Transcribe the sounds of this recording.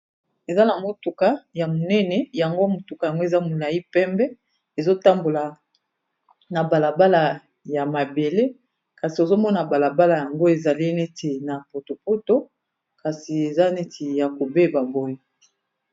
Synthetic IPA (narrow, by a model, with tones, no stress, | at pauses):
e˨za˦la˨ŋo˦tu˨ka˦ja˨mo˨nɛ˦nɛ˨ja˨ŋɡo˦mo˨tu˨ka˨ja˨ŋɡo˦e˨za˦mo˨la˨i˦pɛ˦mbɛ˦ | e˨zo˦ta˦mbo˨la˨ | na˨ba˨la˨ba˦la˨ | ja˨ma˨be˨le˦ | ka˨si˨o˨zo˦mɔ˦na˨ba˨la˨ba˦la˨ja˨ŋɡo˦e˨za˨li˦ne˦tʰe˨na˨po˨to˨po˦to˦ | ka˨si˨e˨za˦nɛ˦tʰi˨ja˨ko˨be˦ba˨bɔ˦ji˦˨